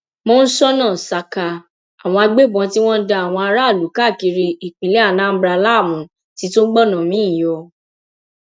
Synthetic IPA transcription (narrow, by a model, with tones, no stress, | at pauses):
mɔ̃˦n̩˦sɔ˦nãː˦˨sa˧ka˧ | a˨w̃ɔ̃˧a˧ɡ͡be˦bɔ̃˧˦ti˦w̃ɔ̃˦n̩˦da˧a˨w̃ɔ̃˧a˧ɾa˦˨lu˨˦ka˦˨ki˧ɾi˧i˨k͡pĩ˨lɛ˦a˦˨nã˦m̩˦bɾa˧˦la˦˨wũ˨˦ | ti˦to˦ɡ͡bɔ˦˨nã˨mĩ˦˨jɔ˧